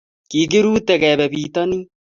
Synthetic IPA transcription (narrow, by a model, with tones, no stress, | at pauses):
ki˨k̬i˦ɾuː˦t̪ɛ˨kɛ˨bɛ˨biː˨t̪ɔ˦ni˦